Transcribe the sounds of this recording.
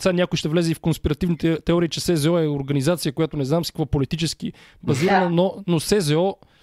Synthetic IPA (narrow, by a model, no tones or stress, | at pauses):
sanʲakoiʃt̪ɛvlɛzɛifkonspiɾɐt̪ivnit̪ɛt̪ɛɔɾiːt͡ʃɛsɛzɛɔɛoɾɡɐnizat̪sijəkoʊjat̪onɛznamsi̥kvɔpolit̪it͡ʃɛski | bɐziɾɐnənonosɛzɛɔ